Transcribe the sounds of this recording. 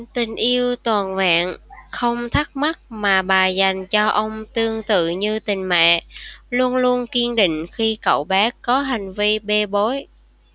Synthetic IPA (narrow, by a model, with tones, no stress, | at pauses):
t̪ï˨˩ŋ̟ʔi˧əwt̪waː˨˩nva̰ː˧˨nxə˧wŋ͡mt̪ʰa˦˥k̚ma˦˥t̚maː˨˩ɓaː˨˩za˨˩jŋ̟t͡ɕɔ˧ʔə˧wŋ͡mt̪ɨ˧əŋt̪ɨ̰˧˨ɲɨ˧t̪ï˨˩ŋ̟mɛ̰ː˧˨lu˧ənlu˧ənki˧ənɗḭ̈˧˨ŋ̟xi˧kə̰˧˨wɓɛː˨˦kɔ˨˦ɦa˨˩jŋ̟vi˧ɓe˧ɓo˨˦j